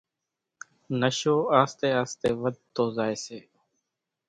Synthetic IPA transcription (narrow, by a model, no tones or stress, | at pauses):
nəʃoːaːst̪eːaːst̪eːʋəd̪̚t̪oːzaːeːseː